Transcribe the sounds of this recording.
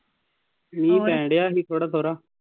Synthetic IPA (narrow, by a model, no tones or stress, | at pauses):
nĩːkɛ̃ːɳɖejaːɦiːt̪ʰoːɽaːt̪ʰoːɾaː